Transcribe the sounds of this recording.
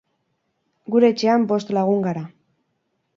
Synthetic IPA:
ɡuɾe̞ːt͡ʃe̞ambo̞st̪laɣ̞uŋɡaɾa

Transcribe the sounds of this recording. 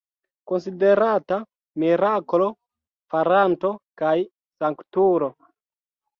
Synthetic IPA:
ko̞nside̞ɾata | miɾakolo̞ | faɾanto̞kaj | saŋktuɾo

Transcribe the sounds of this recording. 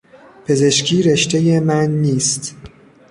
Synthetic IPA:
pʰe̞ze̞ʃcʰiːɾe̞ʃt̪e̞jemænːiːst̪

